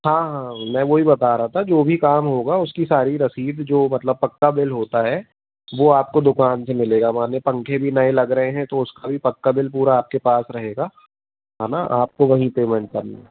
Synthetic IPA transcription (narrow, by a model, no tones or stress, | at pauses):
ɦãːɦãːmɛ̃ːʋoɦibɐt̪aːɾaɦat̪ʰad͡ʒoːbʱikaːmɦoːɡaʊskisaːɾiɾɐsiːd̪d͡ʒoːmɐt̪ləb̚pɐkːabɪlɦoːt̪aɦɛ | ʋoaːp̚kod̪ʊkaːnsemɪleːɡamaːnepɐ̃ŋkʰebʱinɐelɐɡɾɐɦẽɦɛ̃t̪oʊskabʱipɐkːabɪlpuːɾaːp̚kepaːsɾɐɦeːɡaː | ɦãnaʔaːp̚koʋɐɦĩpeːmə̃ɳ̚kɐɾna̰